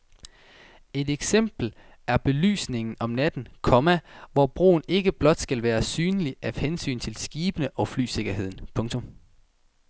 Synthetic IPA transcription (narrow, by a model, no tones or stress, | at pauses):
e̝d̥eɡ̥sem̰b̥l̩ | æɐb̥e̝ly̰ːsne̝ŋn̩ɒ̽mnæd̥n̩kʰɒ̽mæʋɒb̥ʁo̝̰ːn̩e̝ɡ̥əb̥lɒ̽d̥sɡ̥ælʋæːɐsyːnəliʔæ̥hensy̰ːnt͡sʰe̝lsɡ̥iːb̥ənəʔɒ̽fly̰ːse̝ɡ̥ɐɦe̝ð̰ˠn̩pʰɔ̽ŋt͡sʰɔ̽m